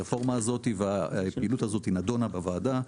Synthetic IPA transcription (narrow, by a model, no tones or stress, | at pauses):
efo̞ʁmaːzo̞t̪iveapeiːlut̪azo̞t̪hinado̞nabavaːda